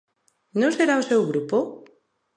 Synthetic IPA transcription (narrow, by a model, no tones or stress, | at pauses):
nõseɾaosewɣɾupo